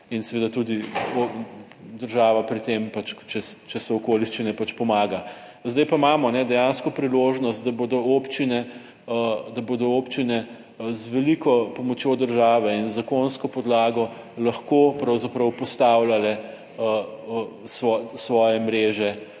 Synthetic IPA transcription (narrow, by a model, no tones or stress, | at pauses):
insɛʋed̪at̪ud̪io | d̪əɾʒaːʋapɾit̪empat͡ʃt͡ʃɛt͡ʃɛsɛɔkoliʃt͡ʃinɛpat͡ʃpɔmaːɡa | zd̪ajpamaːmɔnɛd̪ɛjanskɔpɾiloʒnɔst̪̚d̪aboːd̪ɔopt͡ʃinɛ | d̪aboːd̪ɔoːpt͡ʃinɛ | zʋɛlikɔpɔmɔt͡ʃjoːd̪əɾʒaːʋɛinzakonskɔpɔd̪laːɡɔ | lɐxkopɾɐwzapɾɐwpɔst̪awlalɛ | ə | sʋɔsʋɔːjɛmɾeːʒɛ